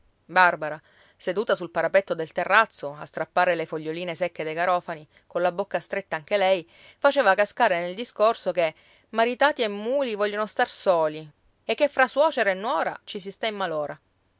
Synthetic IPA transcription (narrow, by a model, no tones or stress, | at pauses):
barbaɾa | sed̪uːt̪asulpaɾapet̪ːod̪elt̪erːat̪sːoast̪ɾapːaːɾelefoʎːoliːnesekːed̪ejkaɾɔːfani | kolabokːast̪ɾet̪ːaaŋk̟elɛj | fat͡ʃeːvakaskaːɾeneld̪iskorsoke | maɾit̪aːt̪iemːuːlivɔʎːonost̪arsoːli | ekːefːɾaswɔːt͡ʃeɾaenːwɔːɾa̰t͡ʃis̬ist̪aimːaloːɾa